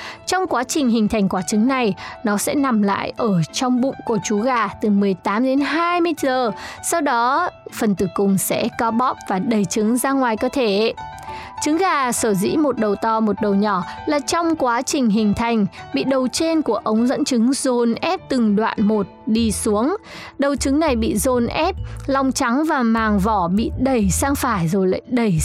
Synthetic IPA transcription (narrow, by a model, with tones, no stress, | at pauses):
t͡ɕɔ˧wŋ͡mkwaː˨˦t͡ɕï˨˩ŋ̟ɦï˨˩ŋ̟t̪ʰa˨˩jŋ̟kwaː˨˦t͡ɕɨ˨˦ŋna˨˩jnɔ˨˦sɛ̰˧˥na˨˩mla̰ː˧˨jʔəː˧˩t͡ɕɔ˧wŋ͡mɓʊ̰˧˨ŋ͡mku˧˩t͡ɕu˨˦ɣaː˨˩t̪ɨ˨˩mɨ˨˩əjt̪aː˨˦mɗe˨˦nɦaː˧jmɨ˧zəː˨˩sa˧wɗɔ˨˦fə˨˩nt̪ɨ˨˩kʊ˨˩ŋ͡msɛ̰˧˥kɔ˨˦ɓɔ˧˥˩p̚vaː˨˩ɗə˨˩jt͡ɕɨ˨˦ŋzaː˧ŋwaː˨˩jkɔ˨˦t̪ʰe˧˩˧ | t͡ɕɨ˨˦ŋɣaː˨˩səː˧˩zḭ˧˥mo˨˩t̚ɗə˨˩wt̪ɔ˨˩mo˨˩t̚ɗə˨˩wɲɔ˧˩laː˨˩t͡ɕɔ˧wŋ͡mkwaː˨˦t͡ɕï˨˩ŋ̟ɦï˨˩ŋ̟t̪ʰa˨˩jŋ̟ɓḭ˧˨ɗə˨˩wt͡ɕe˧nku˧˩əʔə˨˦wŋ͡mzə̰˧˥nt͡ɕɨ˨˦ŋzo˨˩nʔɛ˦˥p̚t̪ɨ˨˩ŋɗwa̰ː˧˨nmo˨˩t̚ɗi˧su˨˦əŋɗə˨˩wt͡ɕɨ˨˦ŋna˨˩jɓḭ˧˨zo˨˩nʔɛ˦˥p̚lɔ˧wŋ͡mt͡ɕa˨˦ŋvaː˨˩maː˨˩ŋvɔ˧˩ɓḭ˧˨ɗə˨˩jsaː˧ŋfaː˧˩jzo˨˩jla̰ː˧˨jɗə˧˩j